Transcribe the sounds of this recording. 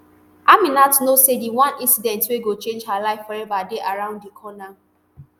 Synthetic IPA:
amĩnatnosediwãnĩnsidɛ̃ntweɡot͡ʃẽnd͡ʒɦalaɪfɔɹɛvadeʔaɹãʊ̃nddikʰɔna

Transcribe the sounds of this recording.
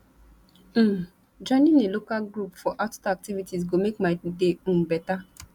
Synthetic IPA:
d͡ʒɔ̃ɪ̃nĩnelokalɡɹupfɔʔattaak̚tivitizɡomekmaɪdeũmbɛta

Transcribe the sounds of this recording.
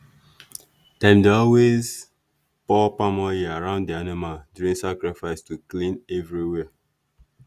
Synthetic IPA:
tãɪ̃mdeɔlwez | pɔpamɔjiaɹãʊ̃ndianimaldjuɹĩŋsakɹifaɪstuklĩnɛvɹiwɛə

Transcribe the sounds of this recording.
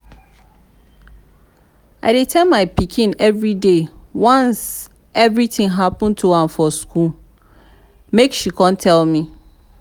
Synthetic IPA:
a̰ɪdɪtʰɛlmaɪpʰikʰĩnɛvɹidewãns | ɛvɹitʰɪ̃ŋɦapə̃ntʰuãmfɔskʰul | mekʃikʰɔ̃ntʰɛlmĩ

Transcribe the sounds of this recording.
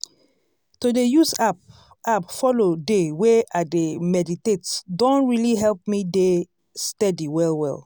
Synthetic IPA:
todejusap | apfɔlodeweʔademɛditetdɔ̃nɹiliɦɛlp̚mide | stɛdiwɛlwɛ̰l

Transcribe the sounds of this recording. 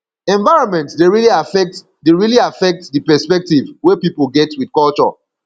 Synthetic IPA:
ɛ̃ɱvaɪɹɔ̃nmɛ̃ntsdeɹiliafɛk̚t | deɹiliafɛk̚tdɨpɛspɛk̚tivwepipəlˠɡɛtʰwid̥kɔlt͡ʃɔ̰

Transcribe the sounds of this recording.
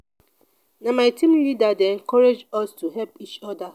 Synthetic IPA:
namaɪtĩmlidadeɛ̃ŋkɔɹed͡ʒɔstuɦɛlpit͡ʃɔda

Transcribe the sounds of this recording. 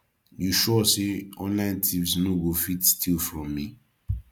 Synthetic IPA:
juʃɔseɔ̃nlãɪ̃ntʰĩpsnoɡofitstʰilfɹɔ̃mːi

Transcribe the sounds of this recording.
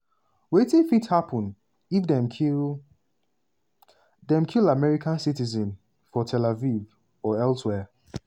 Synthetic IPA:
wetĩfithapɔ̃n | ifdɛm | dɛ̃mkʰilamɛɹikʰãnsitizɛ̃n | fɔtʰɛlaviv | ɔɛlswɛ

